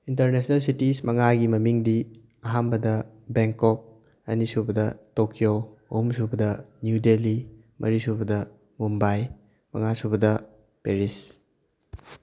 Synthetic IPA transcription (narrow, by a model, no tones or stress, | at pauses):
intɐɾnesnɐlsitismɐŋaɡimɐmiŋdi | ɐɦambɐdɐ | beŋkɔk̚ | ɐnisubɐdɐtokijoɐhumsubɐdɐnjudeli | mʔɐɾisubɐdɐ | mumbaj | mɐŋasubɐdɐ | peɾis